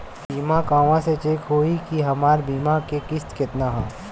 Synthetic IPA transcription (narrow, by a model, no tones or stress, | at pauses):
biːmakãːʋãset͡ʃeːkɦoːikiɦɐmaːɾbiːmakekɪst̪kɪt̪naɦɛː